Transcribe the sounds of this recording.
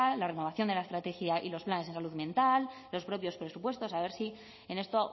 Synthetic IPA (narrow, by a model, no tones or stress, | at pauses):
alareno̞β̞aθjo̞nd̪e̞laest̪ɾat̪e̞xjaʔḭlo̞splanes̬ensaluðmjẽ̞nt̪alː | o̞spɾo̞pjo̞spɾe̞supwe̞st̪o̞saβe̞ɾsi | ene̞st̪o